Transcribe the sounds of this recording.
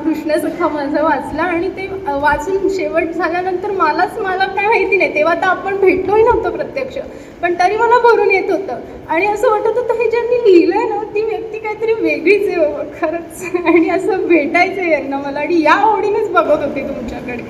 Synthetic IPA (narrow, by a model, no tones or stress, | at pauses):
kɾuʂɳəsukʰaməd͡zʱəʋət͡slaːɽ̃it̪e | ʋat͡suːnɕeʋəʈ̚d͡zʱaljanənt̪əɾməlat͡sməlakajʋajt̪iːnajt̪eʋ̤at̪aapəɳbʱeʈloɦid͡zʱat̪opɾət̪jəkʂə | pəɳt̪əɾiːməlabʱəɾuːnjet̪ɦot̪əː | aɽ̃iəsəːʋət̪ot̪ot̪əɦed͡ʑanːiːlilənət̪iːʋjək̚t̪iːkajat̪əɾiːʋeɡiːt͡seoʋəkʰəɾət͡saɽ̃iəsəbʱeʈajt͡sejanːaməlaːɽ̃ijaoɽinet͡sbəɡəɡet̪et̪um̤t͡ɕjakəɽe